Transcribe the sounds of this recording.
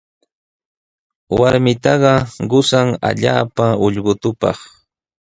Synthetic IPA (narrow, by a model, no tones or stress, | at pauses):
waɾmɪt̪ɑɢɑɢʊsaŋa̰ʎaːpaʊʎɢʊt̪ʊpɑ̰χ